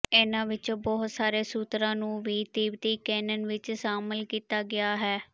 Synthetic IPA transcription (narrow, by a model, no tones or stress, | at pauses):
eːnãːʋɪt͡ʃbɔːɦt̪saːɾeːsuːt̪ɾãːnũːʋiːt̪iːbt̪iːkɛːnənʋɪt͡ʃʃaːməlkiːt̪aːɡɪaːɦɛː